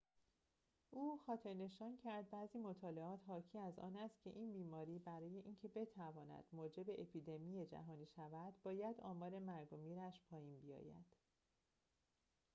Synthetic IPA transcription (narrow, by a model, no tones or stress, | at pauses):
ʔuːxɒːt̪ʰe̞ɾne̞ʃɒːncʰæɾd̪̚bæːziːmo̞t̪ʰɒːle̞ɒːt̪ʰɦɒːcʰiːæzɒ̰ːnæst̪̚cʲʰe̞̰ʔiːnbiːmɒːɾiːbæɾɒːje̞ʔiːncʰe̞be̞t̪ʰævɒːnæ̰d̪̥moːd͡ʒe̞be̞ʔepʰiːd̪e̞mijed͡ʒæ̰ɦɒːniːʃævæd̪̥bɒːjæd̪ɒːmɒːɾe̞mæɾɡo̞miːɾæʃpʰɒːjiːnbijɒ̰ːjæ̰d̪̥